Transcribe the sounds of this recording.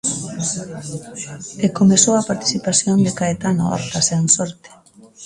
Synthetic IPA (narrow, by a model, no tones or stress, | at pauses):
ekomesowapaɾt̪i̥θipasjond̪ekaet̪ano̰a̰ɾt̪aseansoɾt̪e̥